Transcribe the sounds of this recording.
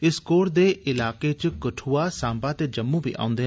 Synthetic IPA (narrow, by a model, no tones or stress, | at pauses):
ɪskoːɾd̪eːʔɪlaːket͡ʃkəʈʰuːasãːmbat̪ed͡ʒɐmːũbʱḭːʔa̰ːʊ̃nd̪eɦ